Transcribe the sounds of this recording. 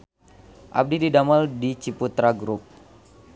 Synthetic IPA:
ʔa̰b̚dididamaldit͡ʃiput̪ɾaɡɾup̚

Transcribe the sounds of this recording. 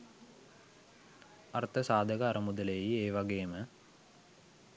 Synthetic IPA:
ɐrt̪ʰɐsaːd̪ʱɐɡɐɐɾɐmud̪ɐlejjieːʋɐɡejəmə

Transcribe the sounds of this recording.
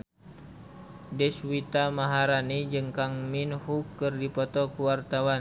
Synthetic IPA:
dɛswit̪amaɦaɾanid͡ʒɨŋkaŋminhukɨrdipɔt̪ɔkuwart̪awan

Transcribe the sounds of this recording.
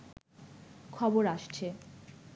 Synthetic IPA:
kʰɔboɾaʃt͡ɕʰe

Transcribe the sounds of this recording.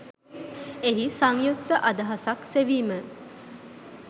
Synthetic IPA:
eɦisaŋjuk̚t̪əʔɐd̪ɐɦasakseʋiːmə

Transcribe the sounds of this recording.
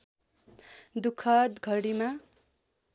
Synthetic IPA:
d̪ukʰʌt̪ɡʱʌɽima

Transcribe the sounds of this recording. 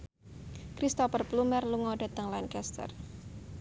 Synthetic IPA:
kɾist̪ɔpərplumərluŋɔɖa̤t̪əŋlaɪnkɛst̪ə̰r

